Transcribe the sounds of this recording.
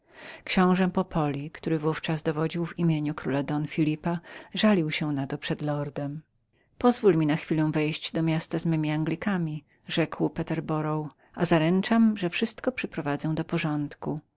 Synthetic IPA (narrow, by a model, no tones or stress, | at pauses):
kɕɔ̃w̃ʐɛmpɔpʰɔlʲikt̪uɾɘvuft͡ʂazd̪ɔvɔd͡ʑiwvimʲjeɲukɾulad̪ɔnfʲilʲipaʐalʲiwɕɛnat̪ɔpʂɛd̪lɔɾd̪ɛm | pɔzvulmʲinaxfʲilɛw̃vɛjɕd͡ʑd̪ɔmʲjast̪azmɛmʲiaŋɡlʲikamʲi | ʐɛkwpɛt̪ɛɾbɔɾɔw | ʔazaɾɛnt͡ʂamʐɛfʂɘst̪kɔpʂɛpɾɔvad̪zɛw̃d̪ɔpɔʐɔnt̪ku